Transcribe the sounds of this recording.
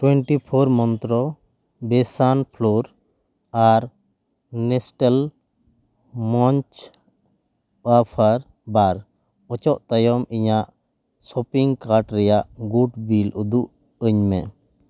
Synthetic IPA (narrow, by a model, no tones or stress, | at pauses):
ʈwɛɳʈipʰɔɾmɔnt̪ɾɔ | bɛsanpʰlɔɾ | aɾ | nɛsʈɛl | mɔɲt͡ʃ | apʰaɾ | baɾ | ɔt͡ʃɔʔt̪ajɔmiɲaʔ | sɔpiŋkaɾʈɾɛjaʔɡuʈbilud̪uʔ | əɲmɛ